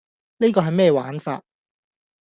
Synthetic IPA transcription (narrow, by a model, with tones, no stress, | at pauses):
neː˥kɔː˧ɦɐ˨jmɛː˥jɛː˧wa̰ː˨˥nfa̰ː˧t̚